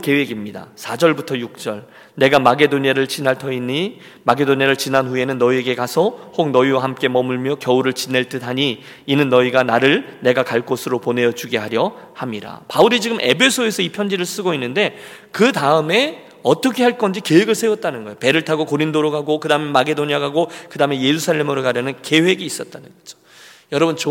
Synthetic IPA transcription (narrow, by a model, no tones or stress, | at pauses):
ke̞we̞ɡimɲida̰sʰad͡ʑʌɭbutʰʌjuk̚t͡ɕ͈ʌɭ | ne̞ɡamaɡe̞doɲiaɾɯɭt͡ɕinaɭtʰʌinːi | maɡe̞doɲaɾɯɭt͡ɕinanɸue̞nɯnːʌie̞ɡe̞kasʰʌhok̚nʌiwaɦamk͈e̞mʌmuɭmjʌkjʌuɾɯɭt͡ɕine̞ɭt͈ɯt̚ɦaɲiː | nɯnːʌiɡanaɾɯɭne̞ɡakaɭk͈osʰɯɾopone̞jʌd͡ʑuɡe̞ɦaɾjʌhamiɾa̰pauɾid͡ʑiɡɯmʔe̞̰pʰe̞sʰoesʰʌipʰjʌnd͡ʑiɾɯɭs͈ɯɡoinːɯnde̞ | kɯtaɯme̞ | ʌt͈ʌkʰeɦaɭk͈ʌnd͡ʑike̞weɡɯɭsʰe̞wʌt̚t͈anɯnɡʌejope̞ɾɯɭtʰaɡokoɾindoɾoɡaɡokɯdaɯmemaɡe̞doɲiaɡaɡokɯdaːmeje̞ɾusʰaɭːe̞mɯɾokaɾjʌnɯnke̞we̞ɡiːs͈ʌt̚t͈anɯnɡʌd͡ʑo̥ | jʌɾʌbɯnt͡ɕ